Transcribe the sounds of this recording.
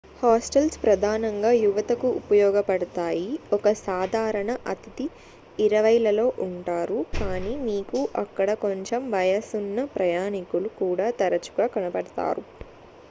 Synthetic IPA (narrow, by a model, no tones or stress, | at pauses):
haːsʈɐlspɾɐd̪ʱaːnɐŋɡaːjuʋɐt̪ɐkuupɐjɔːɡɐpɐɽɐt̪aːjiɔkɐsaːd̪ʱaːɾɐɳɐʔɐt̪it̪iː | ɾɐʋɐjlɐlo̞ːʔuɳʈaːɾukaːniːmiːkuʔɐkːɐɽɐko̞ɲt͡ʃemʋɐjɐsunːɐpɾɐjaːnikulukuːɽaːt̪ɐɾɐt͡ʃu̥ɡaːkɐnɐpɐɽɐt̪a̰ːɾu